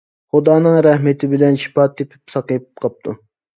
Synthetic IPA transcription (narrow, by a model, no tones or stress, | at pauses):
χʊd̪ɑːnɨŋɾæhmɪt̪ʰɪbɪlɛnʃi̥pɑt̪ːepʰɪ̥p̚sɑqjpqʰɑp̚t̪ʰu